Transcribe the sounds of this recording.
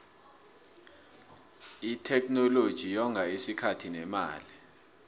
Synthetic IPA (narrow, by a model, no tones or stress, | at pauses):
itʰɛknɔlod̥ʒ̥ʱijɔŋʱaisikʰatʰinɛma̰ːli